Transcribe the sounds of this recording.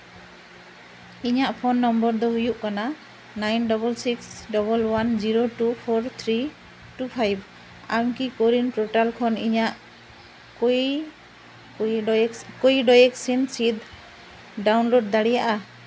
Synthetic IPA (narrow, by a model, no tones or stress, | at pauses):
iɲaʔpʰɔnːɔmbɔɾd̪ɔɦujuʔkana | najnɖɔbɔlsiksɖɔbɔlwand͡ʒiɾoʈupʰɔɾt̪ʰɾi | ʈupʰajb̚ | amkikoɾinʈoʈalkʰɔniɲaʔ | k | kɔjɖɔjɛk̚sinsid̪ | ɖawnloɖ̚d̪aɽijaʔa